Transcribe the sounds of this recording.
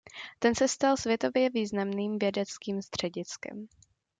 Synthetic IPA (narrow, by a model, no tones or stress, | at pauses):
t̪ɛnsɛst̪alsvjɛt̪o̞vjɛviːznamniːmvjɛdɛt͡skiːmst̪r̝̥ɛɟɪt͡skɛ̰m